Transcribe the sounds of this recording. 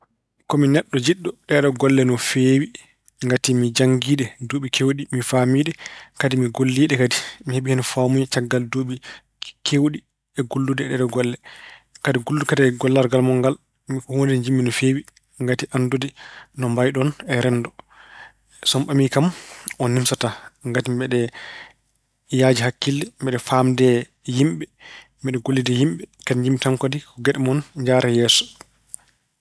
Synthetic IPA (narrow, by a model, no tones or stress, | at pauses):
kɔminɛɗːɔd͡ʒiɗːɔɗɛɗɔɡɔlːɛnɔfeːwi | ŋɡatimid͡ʒaŋɡiːɗɛdoɓikʰewɗimifamiːɗɛkadimiɡolːiːɗɛkadimiheɓihɛnfamujɛt͡ʃaɡːaldoɓi | kʰewɗi | ɛɡulːudɛɛɗɛɗɔɡɔlːɛkadiɡulːukadiɡɔlːaɾɡalmɔŋɡal | mihondɛnd͡ʒimːinɔfeːwi | ŋɡatiʔandodinɔmbajɗɔnɛɾɛndɔ | sɔmɓamikamɔnːimsataŋɡatimbɛɗɛ | jaːd͡ʒiɦakːildɛmbɛɗɛfamdɛ | jimɓɛ | mɛɗɛɡolːidɛjimɓɛkadiɲd͡ʒimːitamkadikɔɡɛɗɛmɔnɲd͡ʒaɾɛjɛːsɔ̥